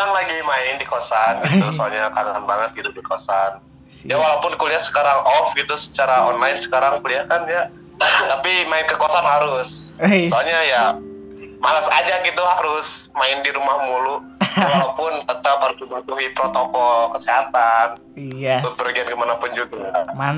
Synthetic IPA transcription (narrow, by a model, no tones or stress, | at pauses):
aŋlaɡimaɪndikosanɡit̪usoalɲakadaanbaŋət̪̚ɡit̪udikosan | jawalawpʊnkuliahsə̥kaɾaŋɔfɡit̪usə̥t͡ʃaɾaɔnlaɪnsə̥kaɾaŋkuliahkanja | t̪apimaɪnkəkoasanɦaɾʊssoalɲaja | malasa̰d͡ʒaɡit̪uɦaɾʊsmaɪndiɾumahmulu | walawpʊnt̪ət̪apːaɾɡimatuɦipɾot̪ɔkɔlkəseɦat̪an | tʊbərɡiankəmanapʊnd͡ʒuɡaa